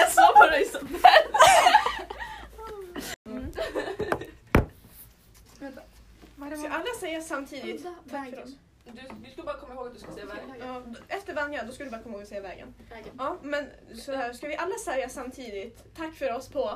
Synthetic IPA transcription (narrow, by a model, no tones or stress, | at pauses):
jasɑːpɔɾɛsɔ | skaʔalːasɛjːasamːt̪ʰiːd̪ɪt̪ʰːafœɾɔs | d̪ɵvɪskɵləbɑːɾakʰɔmːahoːɡat̪̚d̪ʉskasɛːavɛːɡɑːd̪ɛft̪əɾvanːɪad̪ɔskald̪ɵbɑːɾakɔmːhoːɡɔsɛːjːavɛ̰ːɡə̰nɑːmɛn | sɔæːɾskavɪʔalːasɛɾjasamːt̪ʰiːd̪ɪt̪ʰːakːfœɾɔspʰɔ